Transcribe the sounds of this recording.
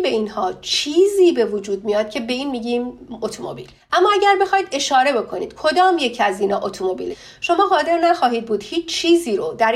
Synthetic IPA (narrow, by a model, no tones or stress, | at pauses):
be̞iːnhɒːt͡ʃʰiːziːbe̞vod͡ʒuːd̪̚mijɒːd̪̥̚cʰe̞be̞iːnmiːɟiːmot̪ʰomo̰bḭːlʔæmːɒːæɟæɾbe̞xɒːjd̪e̞ʃɒːɾe̞be̞kʰo̞nḭːd̪̥kʰo̞d̪ɒːmje̞cʰiæziːnɒːʔot̪ʰomobḭːle | ʃo̞mɒːɦɒːze̞ɾnæxɒːɦiːd̪̚buːd̪̥hiːt͡ʃt͡ʃʰːiːziːɾod̪æɾ